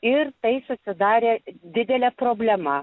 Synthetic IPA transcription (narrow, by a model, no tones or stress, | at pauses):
ɪɾt̪ɐɪsʊsʲɪd̪ɑːɾʲeːd̪ʲɪd̪ʲɛlʲɛpɾoːbʲlʲɛmɐ